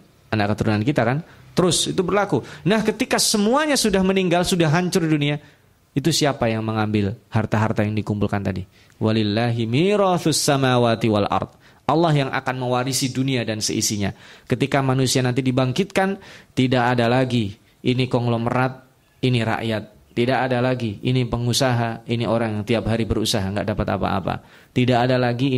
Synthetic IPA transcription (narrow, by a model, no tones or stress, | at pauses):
anaʔkət̪uɾunankit̪akant̪əɾʊsit̪ubərlakunahkət̪ikasəmuaɲasudahməniŋɡalsudaɦɦaɲt͡ʃʊrdunia | it̪usiapajaŋməŋambɪlhart̪aɦart̪ajaŋdikumpulkant̪adi | walɪlːaɦimiɾaθʊsːamawaːt̪iwa̰lʔɑ̰rd̪̚ | ʔɑlːahjaŋʔa̰kanməwaɾisiduniadansə̰ʔisiɲakət̪ikamanusianant̪̬idibaŋkɪt̪̚kant̪idaʔadalaɡi | inikɔŋlɔmərat̪̚ | iniɾa̰ʔjat̪̚ːidaʔadalaɡiinipəŋusaɦainioɾaŋjaŋt̪iapɦaɾibəɾusaɦaŋɡaʔdapat̪a̰pa̰a̰pa̰ | t̪idaʔːdalaɡi